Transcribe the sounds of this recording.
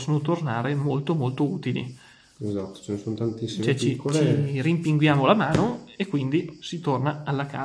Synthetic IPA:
sonot̪ornaːɾemolt̪omolt̪ouːt̪ilḭ | ezat̪ːo̥t͡ʃenesont̪ant̪isːit͡ʃɛt͡ʃikːot͡ʃeirimpiŋɡwjaːmolamaːnoekːwind̪isit̪ornaalːakaː

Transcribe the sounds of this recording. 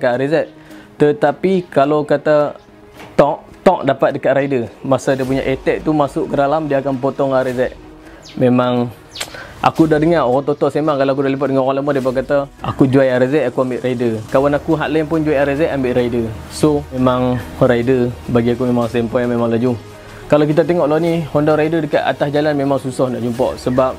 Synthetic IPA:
kaʔɾizɛʔ̪̚ | t̪ət̪apikalokat̪a | t̪ɔʔt̪ɔʔ̚dapat̪̚dəkaʔɾaidəmasadiəp̬uɲa̰ʔet̪ɛʔ̚t̪umasʊʔkədalamdiaakanp̬ot̪ɔŋaɾizɛʔ̪̚ | memaŋ | ʔa̰kudadəŋaoɣat̪ɔt̪ɔʔsemaŋkaloakudaləpat̪̚dəŋaoɣalamadiəp̬ak̬at̪aakud͡ʒuajaɾəzɛʔakuambɪʔraidəkawanakuɦaʔlɛŋpʊnd͡ʒuajaɾəzɛʔambɪʔɾaidə | somemaŋraidəbaɡiak̬umemaŋsɛmpɔjamemaŋlad͡ʒu | kalakit̪̬at̪eŋɔʔlanihɔndɔɾaidədəkaʔ̪a̰t̪asd͡ʒalanmemaŋsusɔhdaʔd͡ʒumpɔ̰ʔsəbap̚

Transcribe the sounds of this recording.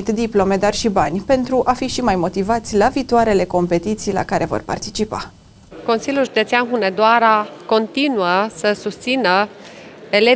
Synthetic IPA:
t̪d̪iplo̞me̞d̪arʃibanʲpe̞nt̪ɾuʔafiʃimajmo̞t̪ivat̪sʲlaviːt̪oaɾe̞le̞ko̞mpe̞t̪it̪sijla̰kaɾʔe̞vo̞̰rpa̰rt̪it͡ʃipa̰ | ko̞nsilʲjulʒud̪e̞t̪sianɦuned̪oaɾako̞nt̪inuəsəsust̪sinə | ele

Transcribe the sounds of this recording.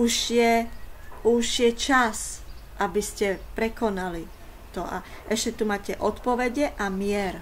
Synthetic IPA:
uʒjɛ | uʒjɛt͡ʃasʔabiscɛpɾɛkɔnali | t̪ɔʔa̰ | ʔɛʃcɛt̪umaːcɛʔɔt̪pɔʋɛɟɛʔamɪɛɾ

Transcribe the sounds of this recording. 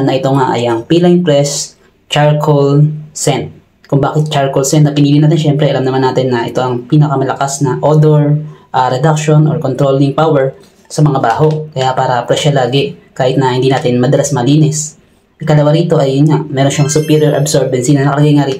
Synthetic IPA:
nnɐʔɪt̪o̞ŋaʔɐ̰jʔɐŋpiːlɐŋpɾɛs | t͡ʃaɹkʰolsɛnt̪̚ | kʊŋbaːkɪt̪̚t͡ʃaɹkolsɛnɐpɪniːlɪnaːt̪̬ɪnʃɛmpɾɛʔɐlamnɐmanːaːt̪ɪnːɐʔɪ̰t̪o̞ʔɐŋpiːnɐkɐmɐlɐkasnɐʔod̪oɹʔɐɾɛd̪ak̚ʃo̞nʔoɹkont̪ɾolɪŋpawɛɹ | sɐmɐŋabaːɦo̞ʔkɐjapaːɾɐpɾɛʃɐlaːɡɛkaːhɪt̪nɐhɪnd̪iːnaːt̪ɪnmɐd̪ɐlasmɐliːnɛs | ʔɪkɐlɐwaɾiːt̪o̞ʔɐjːʊnɲamɛɾo̞nʃaŋsʊpiːɾjoɹʔɐ̰bsoɹbɐnsinɐnɐkɐlɐɡajŋaɾiːt̪o

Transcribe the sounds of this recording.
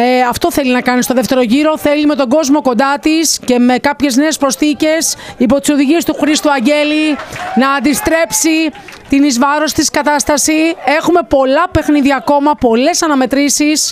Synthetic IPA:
eɐft̪o̞θe̞linɐkɐnist̪o̞ðeft̪e̞ɾo̞ʝiɾo̞θe̞lime̞t̪o̞ɡo̞zmo̞ko̞nd̪ɐt̪isce̞me̞kɐpçe̞zne̞ːspɾo̞st̪ice̞sipo̞t̪i̥soðiʝie̞st̪uxɾist̪uɐɲɟe̞linɐːnd̪ist̪ɾe̞psit̪inizvɐɾo̞st̪iskɐt̪ɐst̪ɐsie̞xume̞po̞lɐpe̞xniðiɐko̞mɐpo̞le̞sɐnɐme̞t̪ɾisis

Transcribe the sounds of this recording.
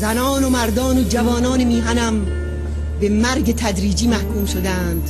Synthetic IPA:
zænɒːnomæɾd̪ɒːnod͡ʒævɒːnɒːnemiːɦænæm | bemæɾɡet̪ʰæd̪ɾiːd͡ʒiːmæhkʰuːmʃod̪ænd̪̥

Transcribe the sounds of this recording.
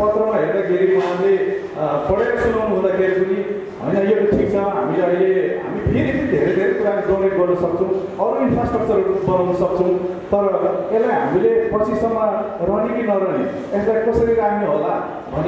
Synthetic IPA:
pʌt̪rʌmaɦernaɡʱeɾimaamle | kʌɽeɾasunawnuɦũnd̪akʰeɾipuni | ɦʌ̰jnʌjekʈʰik̚t͡sʰʌɦa̰mileʌjleɦa̰mip̪ʰiɾitinid̪ʱeɾed̪ʱeɾekuɾalɡʌneɾɡʌrnʌsʌk̚t͡sʰʌ̃w̃ʌɾoinpʰrasʈrʌk̚t͡sʌɾbʌnawnusʌk̚t͡sʰʌ̃w̃ | t̪ʌɾʌelajɦa̰milepʌt͡sʰisʌmːʌrʌnikinʌɾʌni | eslajkʌsʌɾiɾammiɦola̰ | bʱʌne

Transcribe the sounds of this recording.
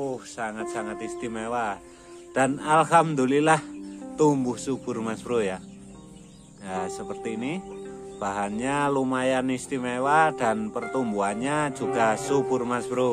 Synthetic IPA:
uhsaŋat̪̚saŋat̪ist̪imewa | d̥analɦamd̪ulilaht̪umbʊhsub̥ʊrmasb̥ɾoja | asəpərt̪iːnib̥aɦanɲalumajanist̪imewad̥anpərt̪umbuanɲḁd͡ʒuɡ̥asub̥ʊrmasbɾo

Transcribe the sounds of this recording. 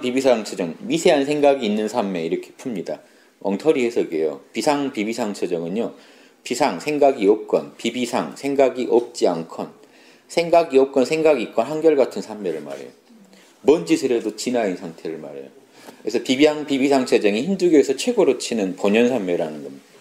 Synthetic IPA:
pibisʰaŋt͡ɕʰed͡ʑʌŋmisʰe̞ɦans̬ʰe̞ŋɡaɡiːnːɯnsʰamːe̞iɾʌkʰe̥pʰumɲida | ʌŋtʰʌɾihesʰʌɡḛjo̰pisʰaŋpibisʰaŋt͡ɕʰed͡ʑʌŋɯnjo | pisʰaŋsʰe̞ŋɡaɡiʌp̚k͈ʌnpibisʰaŋsʰe̞ŋɡaɡiʔʌp̚t͡ɕ͈iankʰʌn | sʰe̞ŋɡaɡiʌp̚k͈ʌnsʰeŋɡaɡik͈ʌnɦhanɡjʌɭɡatʰɯnsʰamːeɾɯɭma̰ɾḛjo | mʌnd͡ʑisʰɯɾedot͡ɕinainsʰaŋtʰe̞ɾɯɭma̰ɾḛjo | kɯɾesʰʌpibisaŋpibisʰaŋt͡ɕʰed͡ʑeŋiçinduɡjoesʰʌt͡ɕʰwe̞ɡoɾot͡ɕʰinɯnpoɲʌnsʰamme̞ɾanɯnɡʌmɲidd̥a

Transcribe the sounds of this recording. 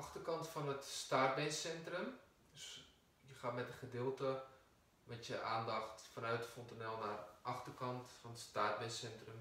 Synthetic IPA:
ɑxtərkɑntfɑnətstaːt̚bɛsɛntrəm | døs | jəχaːtmɛtəχədɪːlˠtə | mɛtjəʔaːndɑχtfɑnœɥtəfɔntanɛlˠnaːrʔɑχtərkɑntfɑnətstaːt̚bɛsɛntrəm

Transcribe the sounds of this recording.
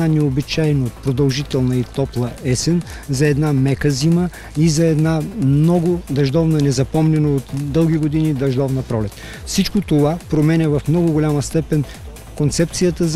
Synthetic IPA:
anɛobit͡ʃajnoot̪̚pɾod̪ɐlˠʒit̪ɛlˠnɐit̪ɔplˠɐɛsɛn | zɐɛd̪namɛkəzimə | izɐɛd̪nanɔɡʊd̪ɐʒd̪ɔvnənɛzɐpɔmnʲɛnoot̪d̪ɤlˠɡʲiɡod̪inid̪ɐʒd̪ɔvnɐpɾɔlɛt̪ | fsit͡ʃkot̪ovapɾomɛnʲɛvɐfmnɔɡʊɡolʲamɐst̪ɛpɛn | kont̪sɛp̚t̪sijət̪əz

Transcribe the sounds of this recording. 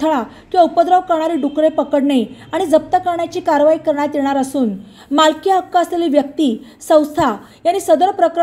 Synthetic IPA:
t̪ʰɭa | kiaupəd̪ɾəʋkəɾɳaɾiːɖukɾepəkəɽɳeaɽ̃id͡zəp̚t̪əkəɾɳjat͡ɕiːkaɾʋaikəɾɳat̪jeɳ̃aɾəsuːn | malkjaɦəkːaəsleliʋjək̚t̪iː | sə̃w̃st̪ʰa | jañːiːsəd̪əɾpɾəkɾ

